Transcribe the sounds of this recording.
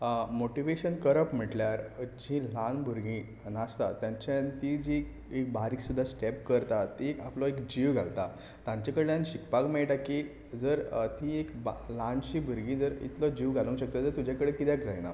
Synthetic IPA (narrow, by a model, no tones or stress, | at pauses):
moʈiʋeɕənkəɾəpm̤əʈljaɾd͡ʑĩlanbʱuɾɡĩ | nast̪at̪jãɲt͡ɕant̪id͡ʑi | ek̚baɾiːksud̪ʱːasʈɛp̚kəɾt̪at̪ikaplɔekd͡ʑiʋɡʱalt̪a | t̪ãɲt͡ɕakəɽet̪jãnɕikpakmeɭʈ̪aki | d͡zəɾt̪ĩekblanɕibʱuɾɡĩd͡zəɾḭt̪lɔd͡ʑiʋɡʱalũŋkɕək̚t̪ad͡zəɾt̪ud͡ʑakəɽekit̪jakd͡zajna̰